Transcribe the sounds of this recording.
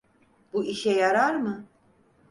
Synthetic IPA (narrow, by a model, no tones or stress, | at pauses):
b̥uiʃɛjaɾaɾmɯ